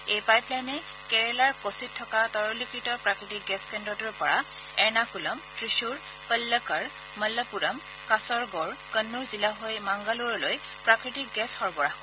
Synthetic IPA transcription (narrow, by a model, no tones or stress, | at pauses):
ejpajplajnɛ | kɛɹɛlaɹkositʰːɔkatɔɹɔlikɹitɔpɹakɹitik̚ɡɛskɛndɔtuɹpɔɹa | ɛɹnakulamtɹiʃuɹ | pəlːəkaɹ | məlːəpuɹam | kasɔɹɡɔɹkənːuɹzilaɦojmaŋɡaluɹɔloj | pɹakɹitik̚ɡɛsxɔɹbɔɹah